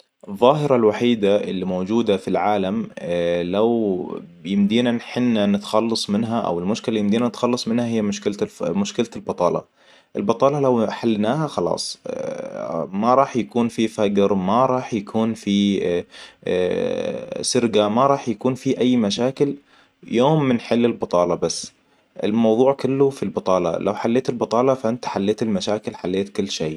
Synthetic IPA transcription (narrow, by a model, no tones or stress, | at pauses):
ʔɨðˤːɑːɦɪɾˤɑlwaħiːd̪aʔɪ̰lːimowd͡ʒuːd̪afilʕaːlamlaw | jɪmd̪iːnanħɪnːanɪt̪xɑlːɑsˤmɪnɦaʔa̰wɪlmʊʃkɪlajɪmd̪iːnanɪt̪xɑlːɑsˤmɪnhaɦɪjːamʊʃkɪlmʊʃkɪlaɪlbɑt̪ˤɑːlɑ̰ | ʔɪlbɑt̪ˤɑːlɑlawħalːnaːɦaxɑlɑ̰ːsˤ | maɾˤɑːħjakuːnfifaɡɾmaɾˤɑːħjakuːnfi | sɪɾɡamaɾˤɑːħjakuːnfiʔajːmaʃaːkɪl | joːmːɪnħɪlːɪlbɑt̪ˤɑːlɑbasː | ʔɪ̰lmɑwðˤuːʕkʊlːʊfilbɑt̪ˤɑːlɑ̰la̰wħalːeːt̪ɪlbɑt̪ˤɑːlɑfaʔɪnt̪ḁħalːeːt̪ɪlmaʃaːkɪlħalːeːt̪kʊlːʃeː